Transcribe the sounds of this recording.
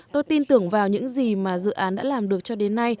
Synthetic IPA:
t̪o˧jt̪i˧nt̪ɨ˨˧˩əŋvaː˨˩wɲɨ̰˧˥ŋzi˨˩maː˨˩zɨ̰˧˨ʔaː˨˦nɗa̰ː˧˥laː˨˩mɗɨ˨˩ək̚t͡ɕɔ˧ɗe˨˦nːa˧j

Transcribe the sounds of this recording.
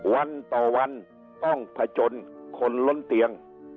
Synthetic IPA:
wa˧nt̪ɔː˨˩wa˧˥n | t̪ɔ˥˩ŋpʰa˧t͡ɕo˧nkʰo˧nlo˧˥nt̪i˧əŋ

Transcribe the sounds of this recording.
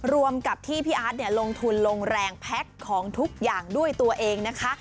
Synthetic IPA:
ɾu˧əmka˨˩p̚t̪ʰiː˥˩pʰiː˥˩ʔaː˦˥t̪̚ni˥˩ɐlo˧ŋt̪ʰu˧nlo˧ŋɾɛː˧ŋpʰɛ˦˥kʰːɔː˩˦ŋt̪ʰu˦˥k̚jaː˨˩ŋdu˥˩əjt̪u˧ɐʔeː˧ŋna˦˥kʰa˦˥ʔ

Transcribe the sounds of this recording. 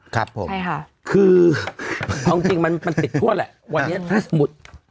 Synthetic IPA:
kʰa˦˥pʰːo̰˨˦˧ | kʰɯː˧ | kʰaː˧mt͡ɕi˧ŋma˧nma˧ntp̪i˨˩t̪̚ʰu˥˩ɐlɛ̰˨˩ʔwa˧nːi˦˥ɐ˨t̪ʰaː˦˥˩sa˧mu˨˩t̪̚

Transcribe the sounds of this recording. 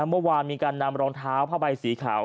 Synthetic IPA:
a˦˥mɯ˥˩˨waː˧nmiː˧kaː˧nːa˧mɾɔː˧ŋt̪ʰaː˦˥wpʰaː˧˩ba˧jsiː˩˦kʰa̰ː˩˦w

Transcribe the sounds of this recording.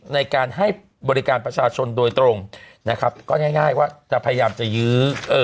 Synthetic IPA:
na˧jkaː˧nɦa˥˩j | bɔː˧ɾi˦˥kaː˧npɾa˧t͡ɕʰaː˧t͡ɕʰo˧ndu˧jt̪ɾo˧ŋna˦˥kʰa˦˥p̚kɔː˥˩ŋɛː˥˩jŋaː˥˩jwaː˥˩t͡ɕa˨˩ʔpʰa˧ja˧jaː˧mt͡ɕa˨˩jɯː˦˥ʔɤː˨˧

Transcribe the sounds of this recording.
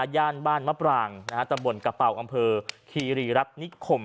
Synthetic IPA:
aː˧jaː˥˩nbaː˥˩nwa˦˥pɾaː˧ŋna˦˥a˦˥t̪a˧mbo˧˩nka˧pa˨˩wʔa˧mpʰɤː˧kʰiː˧ɾiː˧˩ɾa˦˥t̪̚ni˦˥kʰo˧˩m

